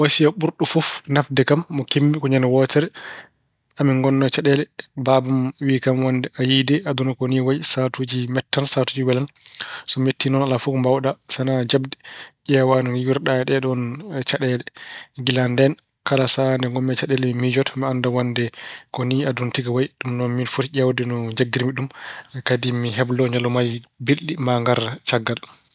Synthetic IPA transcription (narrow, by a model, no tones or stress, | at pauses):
wasijaɓuɾɗufɔfnafdɛkamːɔkembikɔɲanawɔːtɛɾɛ | amiŋɡɔnːat͡ʃaɗɛlɛbabumwiːkamwandɛajidɛʔadunɔkɔniːwajsatud͡ʒimɛtːansatud͡ʒiwɛlansɔmetːinɔnalafufmbawɗasanad͡ʒabdɛʄɛwanɔjuɾɗaɗɛɗɔnt͡ʃaɗɛlɛŋɡilandɛn | kalasandɛŋɡɔmːɛt͡ʃaɗɛlɛmid͡ʒɔtmiandawandɛkɔniaduntiɡawajɗumnɔnminfutiʄʲawdɛnɔd͡ʒaɡːiɾmiɗumɛkadimiɦɛblɔɲalːɔmajbilːimaŋɡaɾt͡ʃaɡːal